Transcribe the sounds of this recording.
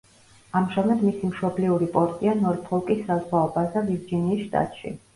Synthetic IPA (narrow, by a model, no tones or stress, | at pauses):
amʃɛmad̪misimʃɔbliuɾipʼɔɾt̪ʼianɔɾpʰɔlˠkʼisːazʁaɔbasd̪aviɾd͡ʒiniːsʃt̪ʼa̰t̪ʼʃḭ